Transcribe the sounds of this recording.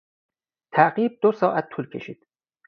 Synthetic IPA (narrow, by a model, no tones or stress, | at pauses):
t̪ʰæɢiːb̚d̪osɒːʔæt̪̚ʰːuːlkʰe̞ʃiːd̪̥